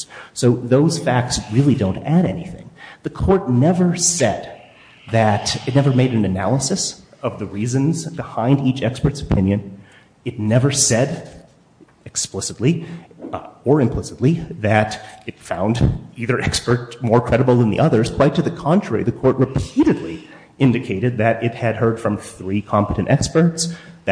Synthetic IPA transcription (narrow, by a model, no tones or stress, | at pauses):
soʊðoʊz̥fæk̚tsɹɪlˠidõʊ̃ntæɾɛ̰nḭθɪ̰̃ŋðɨkʰɔɹtⁿnɛvə˞sɛd̪̚ | ðɨɾɨtⁿnɛvə˞meɪɾɨ̃n̩ɨnæ̰lˠəsɨs | ʌvðɨɹizɨ̃nzbɨhãɪ̃ndit͡ʃɛkspə˞tsə̥pʰɪ̃njɨ̃n | ɨtⁿnɛvə˞sɛd | ɨksplɪsətˡli | ə˞ɨ̃mpʰl̥ɪsətˡliðɨɾɨtfã̰ʊ̃ndiðə˞ʔɛkspə˞t̚mɔɹkʰɹ̥ɛɾəbl̩ˠðə̃nðḭʔʌðə˞z̥kʰw̥aɪtʰɨðɨkʰɑ̃ntʰɹ̥ɛɹḭðɨkʰɔɹʔ̚ɹɨpʰiɾɨdˡli | ɪ̃ndɨkʰeɪɾɨd̪̚ðɨɾɪt̚hɨd̚hɜ˞d̥fɹʌ̃mθɹikʰɑ̃mpəɾɨ̃ntɛkspə˞tsðɨ